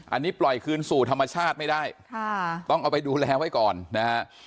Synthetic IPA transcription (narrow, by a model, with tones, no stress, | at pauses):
ʔa̰˧nːiː˦˥plɔ˨˩jkʰɯː˧nsuː˨˩t̪ʰa˧mːa˧t͡ɕʰaː˥˩t̪̚ma˥˩jdaː˥˩jʰ | t̪ɔ˥˩ŋʔa˧wpa˧jduː˧lɛː˧wa˦˥˩jkɔː˨˩nːa˦ha˦˥